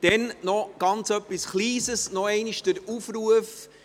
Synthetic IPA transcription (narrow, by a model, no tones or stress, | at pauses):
d̥ɛnnɔɡ̥ɑnt͡sœpːisχliːsəsnɔɛɪniʃd̥əɾufɾuəf